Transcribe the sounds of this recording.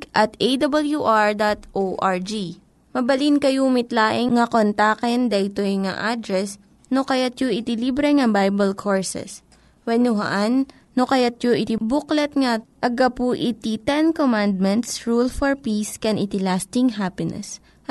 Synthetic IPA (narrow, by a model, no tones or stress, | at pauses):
ʔɐt̪ʔejd̪ɐbɐljuʔaɹd̪at̪ʔoʔaɹd͡ʒi | mɐbɐlinkɐjumɪt̪laːʔɪŋŋɐkont̪akɛnd̪ɐʔɪt̪ojŋɐ̰ʔad̪ɾɛs | nokɐjat̪̚joʔɪt̪ɪlibɾɛŋɐbajbɐlkʰoɹsɛ̰s | wɛnʊɦɐ̰ʔanː | okɐjat̪̚joʔɪt̪ibuklɛt̪̚ŋɐʔɐɡɐpuʔɪt̪it̪ɛnkomãnd̪̚mɛnt̪sɹulfɔɹpiskɛnʔɪt̪ɪlast̪ɪŋɦapɪnɛ̰s